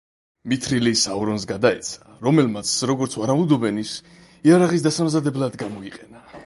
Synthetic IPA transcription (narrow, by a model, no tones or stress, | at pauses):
mit̪ʰɾilisauɾɔns̬ɡad̪aɛt̪sʰḁɾɔmɛlmat̪sʰɾɔɡɔɾt̪sʰvaɾamud̪ɔbɛnis | iaɾaʁis̬d̪asamzad̪ɛblad̪ɡamɔiqʼɛna